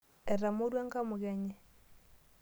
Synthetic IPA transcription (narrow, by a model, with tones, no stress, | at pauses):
e˨ɾa˨mu˦ɾwa˦ŋɡa˦mu˨ɣɛ˨ɲɛ˦